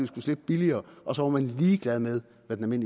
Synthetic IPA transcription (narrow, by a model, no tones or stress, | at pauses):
isɡ̥usle̝b̥b̥iliɐːʔɒ̽sɒ̽ʋɑ̈mænliːɡ̥læð̞ˠmeð̞ˠ | ʋæd̥enæme̝n̰